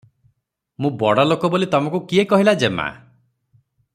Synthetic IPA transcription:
mũbɔɽalokɔbolit̪ɔmɔ̃ŋkukiekɔɦilad͡ʒema̰

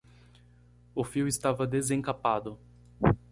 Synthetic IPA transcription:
ʊfiwɪst̪avɐd̪ezẽŋkapad̪ʊ

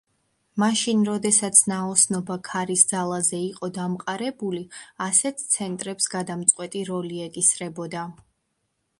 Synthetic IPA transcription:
maʃinɾɔd̪ɛsat̪sʰnaɔsnɔbakʰaɾisd̪zalˠazɛiqʼɔd̪amqʼaɾɛbuliasɛt̪ʰt̪sʰɛnt̪ʼɾɛpsɡad̪amt̪sʼqʼwɛt̪ʼiɾɔliɛkʼisɾɛbɔd̪a

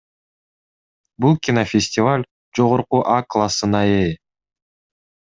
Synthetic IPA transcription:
bulˠkʲinofʲɪsʲtʲɪvalʲ | d͡ʒo̞ʁoɾquʔaklˠasɯnɑe

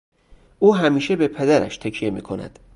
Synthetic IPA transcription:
ʔuːɦæmiːʃebepʰed̪æɾæ̰ʃt̪ʰæcʰije̞miːkʰo̞næ̰d̪̥

